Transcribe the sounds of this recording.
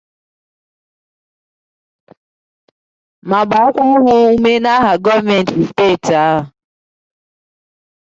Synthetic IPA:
ma˨ba˨a˦kʷɔ˦ɦʊ˦u˦me˦na˦ɦa˨ɡɔ˦vme˨n̩˨ti˨ste˦˨ta˦ɦʊ˨

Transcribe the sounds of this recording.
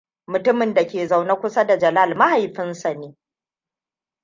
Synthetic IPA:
mʊ˨tʊ˦mɪ˨nda˨kʲeː˨za˨wna˦kʷʊ˦sa˦da˨d͡ʒɐ˨la˦˨lma˦ha˨jɸɪ˦nsa˨neː˦

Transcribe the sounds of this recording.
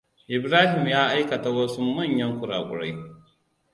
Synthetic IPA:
ʔɪ˨bɾaː˦hɪ˨mjaː˦ʔa˦jkɐ˨ta˨wɐ˦su˦mɐ˦˨ɲjɐ˦ŋkʷʊ˨ɽaː˨kʷʼʊ̰˨ɽa˦j

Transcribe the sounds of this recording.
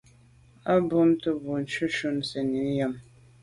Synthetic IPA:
a˦bo˦mtɨ˦bu˨n˨˦t͡ʃu˦ʃu˦nsə˨ni˨˦n˦jə˦˨m

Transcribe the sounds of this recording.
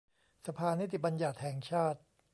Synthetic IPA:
sa˧pʰaː˧ni˦˥t̪ʰːi˨˩ba˧njaː˨˩t̪̚hɛː˨˩ŋt͡ɕʰaː˥˩t̪̚

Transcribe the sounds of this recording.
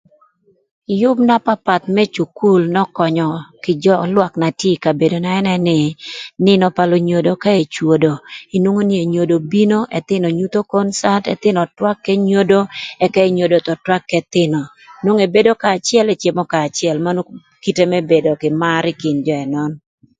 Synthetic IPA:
jʊ˦bna˦pa˦pa˨t̪̚mɛ˦t͡ʃu˨ku˦lnɔ˦kɔ˨ɲɔ˨kɪ˨d͡ʒɔ˦lwa˨kna˨tje˦ka˨be˨do˨na˨ɛ˦nɛ˦nɪ˨nɪ˦nɔ˨pa˨lo˦ɲo˨do˨ka˦e˨t͡ʃwo˨do˨i˨nwo˦ŋo˦ni˦e˨ɲo˨do˨bi˦no˦ʔɛ˨t̪ɪ˦nɔ˨ɲu˦t̪o˦ko˦nsa˦tɛ̰˨t̪ɪ˦nɔ˨twa˦kːɛ˦ɲo˦do˦ɛ˨kɛ˦e˨ɲo˨do˨t̪ɔ˨twa˦kːɛ˨t̪ɪ˦nɔ˨ | nwo˦ŋe˨be˦do˦kaː˨t͡ʃɪ˦ɛ˦lɛ˨t͡ʃe˨mɔ˦kaː˨t͡ʃɪɛ˨lma˦no˦ | ki˦te˦mɛ˦be˨do˨kɪ˨ma˦ɾɪ˦kɪ˨nd͡ʒɔ˦ɛ˨nɔ˦n

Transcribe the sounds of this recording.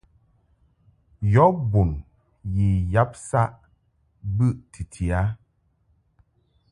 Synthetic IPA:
jɔ˦bu˨n | ji˨ja˦p̚sa˦ʔ | bɨ˦˨ʔtʰi˨tʰi˨a˨˦

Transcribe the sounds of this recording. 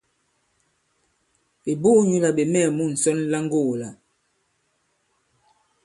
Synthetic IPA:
e˨bu˦ɲu˨la˨ɓe˨mɛ˦˨mu˦˨n̩˨sɔ˦nla˦ŋɡo˦˨la˨

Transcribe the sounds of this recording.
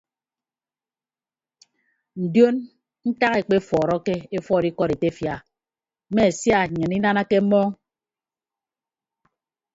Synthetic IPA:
n̩˨djo˦n | n̩˦ta˦ke˨k͡pe˦fɔː˨ɾɔ˦ke˦e˦fɔ˦˨di˦kɔ˦ɾe˨te˦fja˨˦ | me˦e˨sja˦˨ɲɨ˨ni˦na˦na˦ke˦mɔ˦ŋ

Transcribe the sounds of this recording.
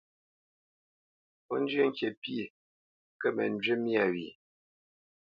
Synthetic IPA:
pɔ˦n˦d͡ʒɥə˦ŋ˦kje˨pi˦˨ | kə˦mɛ̰˨n˦d͡ʒɥe˦mja˦˨ɥi˨

